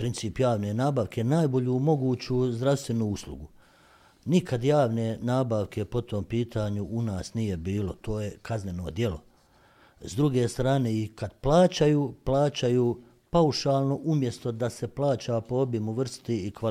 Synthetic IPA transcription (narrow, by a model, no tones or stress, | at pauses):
pɾint̪siːpjaːʋneːnaːbaʋkʰe̞naːjbo̞ʎuːmo̞ɡuːt͡ɕuːzd̪ɾast̪ʋe̞nuːuslˠṵɡu | nikʰad̪jaːʋne̞ːnaːbaʋkʰe̞po̞t̪o̞ːmpiːt̪ʰaːɲuʔunaːsnije̞biːlo̞t̪o̞ːje̞kʰazne̞no̞̰d̪je̞lo̞̰ | zd̪ɾuɡe̞ːst̪ɾaːne̞ːikad̪plˠaːt͡ɕajuːplaːt͡ɕajuː | pauʃaːlˠno̞ʔumjest̪o̞d̪ase̞plˠaːt͡ɕapoobjimuʋr̩st̪iːkʋa